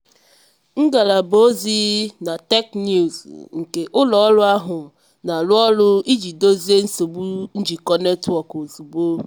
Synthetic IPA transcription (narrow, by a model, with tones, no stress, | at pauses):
ŋ̩˦ɡa˨la˨bo˦zi˦na˨te˦knju˨zŋ̩˨ke˨ʔʊ˦lɔ˨˦lʊ˦a˦ɦʊ˨ | na˨lʊ˦ɔ˦lʊ˦i˦d͡ʒi˨do˦zi˦e˦n̩˦so˨bu˦n̩˦d͡ʒi˨kɔ˦ne˦tɔ˨ko˨zu˨bo˦